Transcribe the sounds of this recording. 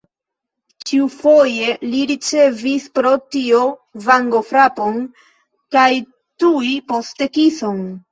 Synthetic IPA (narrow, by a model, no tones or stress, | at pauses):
t͡ʃiufo̞je̞liɾit͡ʃe̞vispɾo̞tiovaŋɡo̞fɾapo̞n | kaj | tuipo̞ste̞kiso̞n